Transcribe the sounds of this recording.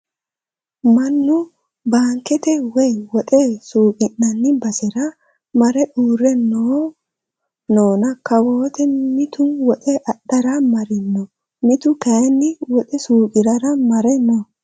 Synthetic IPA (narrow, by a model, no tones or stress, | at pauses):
mɐnːʊ | baːŋkɛt̪ɛwɛjwɔt̪ʼesuːkʼɪnːɐnːɪbɐsɛɾɐ | mɐɾɛʔuːɾːɛnːo | noːnɐkɐwoːt̪ɛmɪt̪ʊwɔtʼɛʔɐɗɐɾɐmɐɾɪnːɔ | mɪt̪ʊkɐjnːɪwɔt̪ʼɛsuːkʼɪɾɐɾɐmɐɾɛnːɔ